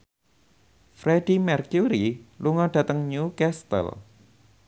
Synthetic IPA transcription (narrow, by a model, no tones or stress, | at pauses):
fɾedimɛrkjuɾiluŋɔɖ̥ä̤t̪əŋɲukɛst̪ə̰l